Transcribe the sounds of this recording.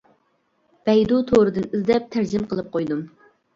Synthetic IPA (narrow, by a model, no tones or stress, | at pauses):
b̥ɛjd̪ut̪ʰoɾɨd̪ɨnizd̪ɛp̚t̪ʰæɾd͡ʒɪmqəlˠɨp̚qʰojd̪um